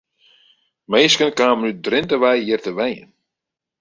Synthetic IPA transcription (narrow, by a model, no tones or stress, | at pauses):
mejskənkaːmnydrɪntəʋɛjɦɪərtəʋɛjə̰n